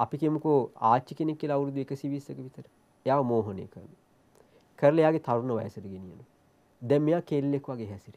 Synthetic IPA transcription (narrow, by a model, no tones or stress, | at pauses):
apikemukoa̰ːt͡ʃːikenekːiəlɐaʋuɾud̪ːuekəsiʋisəkəʋit̪əɾə | ejaːʋɐmoːɦɐnḛːkəɾnːu | kəɾəlɐejaːɡet̪aʋurnəʋa̰jəsɐdəɡenijə̰nu | d̪ɛmːejaːkeːlːekːuʋaɡeɦɛsiɾi